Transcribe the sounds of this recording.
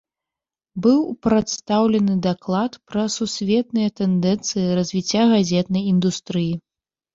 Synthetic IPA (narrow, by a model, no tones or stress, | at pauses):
bɨwpɾat̪st̪awlʲɛnɨd̪aklˠat̪pɾɐsusʲvʲɛt̪̚nɨjɛt̪ɛnd̪ɛnt̪sɨjiɾɐzʲvʲit͡sʲːaɣazʲɛt̪nɐjind̪ust̪ɾɨji